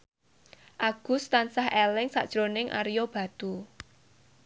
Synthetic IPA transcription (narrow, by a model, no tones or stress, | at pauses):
ʔaɡ̥ʊ̤st̪ansahʔelɪŋsa̰ʔd̥ʒ̥ɾonɪŋʔa̰ɾijob̥a̤d̪̥u